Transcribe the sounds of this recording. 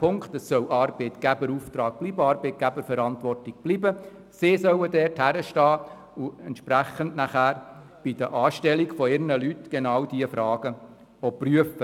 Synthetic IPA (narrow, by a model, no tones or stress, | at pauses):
pʰʊŋktɛsːœwʔɑːrb̥eɪt̪ɡ̥æbəɾuft̪ɾɑːɡ̚b̥liːbəɑɾbeɪt̚ɡ̥æbəɾfɛɾɑntʋɔrtɪɡ̥̚b̥liːbə | sɪsœwədɛɾthæɾəʃtɑː | uɛnt̪ʃpɾæχəndnæχæːɾ | b̥id̥əʔɑːʃtɛlikfɔɪɾnəlytɡ̥enɑwd̥iəfɾɑːɡ̥ə | ɔpryəfə